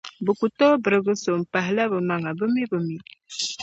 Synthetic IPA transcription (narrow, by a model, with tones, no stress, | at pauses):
bə˨ku˨tɔ˦bə˨ɾə˨ɡə˦so˨m̩˨pa˨ɦla˦bə˨ma˨ŋa˨bə˦mi˦bə˨mi˦